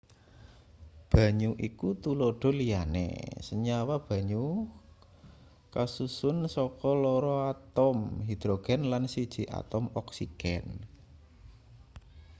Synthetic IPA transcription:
b̥ä̤ɲuʔikut̪uloɖ̥ɔ̤lijanḛsəɲawab̥a̤ɲu | kasusʊnsɔkɔlɔɾɔat̪ɔmɦid̪̥ɾoɡ̥ɛnlansid̥ʒ̥i̤ʔa̰t̪ɔmɔksiɡ̥ɛn

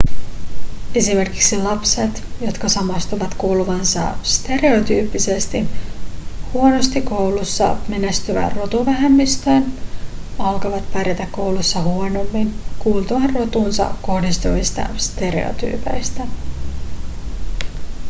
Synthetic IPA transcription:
e̞sime̞rki̥ksilɑpset̪jo̞t̪kɑsɑmɑst̪uʋɑt̪kuːluʋɑnsɑ̰st̪e̞ɾe̞o̞t̪yːpːise̞st̪i | huono̞st̪iko̞wlusːɑ̰me̞næst̪yʋæ̰rro̞t̪uʋæɦemːist̪øːn | ɑlkɑʋɑt̪pæɾjet̪ækkːo̞wlusːɑhuono̞mːinkuːlt̪uɑrro̞t̪unsɑ̰ko̞hdist̪uʋist̪ɑ̰st̪e̞ɾe̞̰o̰t̪y̰ːpe̞jst̪æ

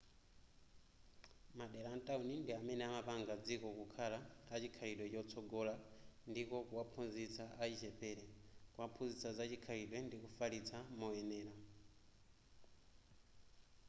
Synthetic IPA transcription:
maɗɛɾantʼaunindiamɛnɛamapaŋɡad͡zikɔkukʰalatat͡ʃikʰaɾiɗwɛt͡ʃɔt͡sʰɔɡɔlandikɔkuwapʰunzit͡saʔait͡ʃɛpɛɾɛkuwapʰunzit͡sazat͡ʃikʰaɾiɗwɛndikufalit͡sʰamɔɛnɛːɾa

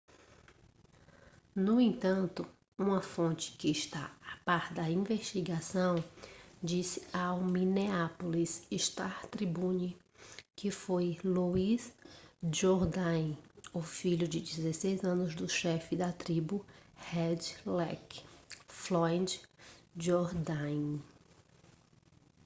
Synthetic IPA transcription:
nʊẽt̪ɐ̃nt̪ʊ | ũmɐfõnt͡ʃɪ̥kɪːʃt̪aapaɾd̪ɐĩveʃt͡ʃiɡasɐ̃w̃d͡ʒisɪawmĩneapolisiʃt̪at̪ɾibũni | kɪfojluizd͡ʒoɾd̪ɐ̃j̃ʊfiʎʊd͡ʒɪd͡ʒizesejzɐ̃nʊzd̪ʊʃɛfɪd̪ɐt̪ɾibʊhɛd͡ʒlɛk | flɔ̃d͡ʒd͡ʒoɾd̪ãj̃

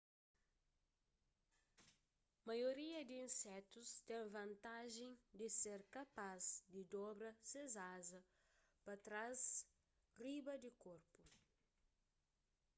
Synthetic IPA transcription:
mɐjoɾiɐd̪iĩnsɛt̪ust̪ɛ̃ŋvɐ̃nt̪aʒẽj̃d̪ɪseɾkɐpazd̪ɪd̪ɔbɾɐsezazɐ | pɐt̪ɾaz | ribɐd̪ɪkoɾpu

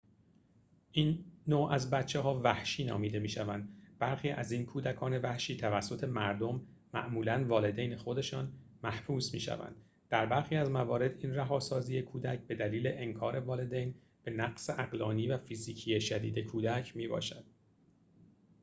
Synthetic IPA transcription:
ʔiːnːoːʔæzbæt̪t͡ʃʰːeɦɒːvæhʃiːnɒ̰ːmiːd̪e̞miːʃævænd̪b̥æɾxiːʔæziːnkʰuːd̪ækʰɒːne̞væhʃiːt̪ʰævæsːo̞t̪ʰe̞mæɾd̪o̞mː | æ̰ʔmuːlænvɒːle̞d̪ejnexo̞d̪e̞ʃɒːn | mæhbuːsmḭːʃæ̰væ̰nd̪ | d̪̥æɾbæɾxiːæzmævɒːɾe̞d̪inræɦɒːsɒːziːjekʰuːd̪æcʰbe̞d̪æliːle̞ʔeŋkʰɒːɾe̞vɒːle̞d̪ejn | b̥e̞næɡseʔæɢlɒːniːvæfiziːcʰiːjeʃæd̪iːd̪e̞kʰuːd̪æcʰmiːbɒ̰ːʃæd̪̥

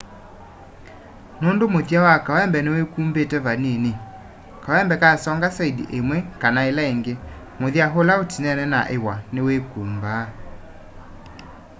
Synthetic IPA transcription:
noːndomoðjawakawɛmbɛnewekumbetɛβanene | kawɛmbɛkasɔŋɡasaidḭʔemwɛkanaelaeŋɡe | moðjaɦolaotinɛnɛna̰ʔewaneweːkuːmbaː

